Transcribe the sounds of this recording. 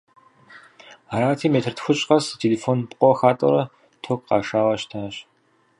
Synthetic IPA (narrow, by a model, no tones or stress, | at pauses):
aːɾaːtʰiːmeːtʰɨrtxʷʊɕʼqʼɐstʰeːleːfoːnpqʷʼɔxaːtʼɔ̰ɾɐ | tʰokqɑ̰ːʂaːʁɐɕtʰaːɕ